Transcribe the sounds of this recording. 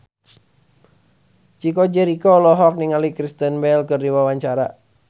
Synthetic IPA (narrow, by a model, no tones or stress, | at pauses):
t͡ʃikod͡ʒɛɾikɔlɔɦɔk̚niŋalikɾist̪ənbɛlkɨrdiwawaɲt͡ʃaɾa